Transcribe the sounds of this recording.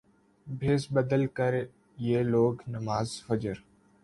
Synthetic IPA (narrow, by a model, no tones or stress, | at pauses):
bʱeːsbəd̪əlkəɾ | jeːloːɡnəmaːzfəd͡ʒəɾ